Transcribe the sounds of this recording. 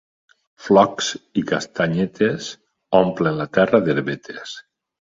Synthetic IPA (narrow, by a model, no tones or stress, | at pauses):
flɔksikast̪aɲet̪ʰes | ɔmplenlat̪ɛraðeɾβet̪ʰes